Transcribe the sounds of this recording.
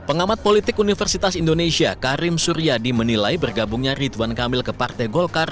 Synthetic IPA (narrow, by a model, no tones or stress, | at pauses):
pəŋamat̪̚polit̪ɪkunifərsit̪asindonesiakaɾɪmsuɾiadimənilajbərɡabuŋɲarit̪uankamɪlkəpart̪ajɡɔlkar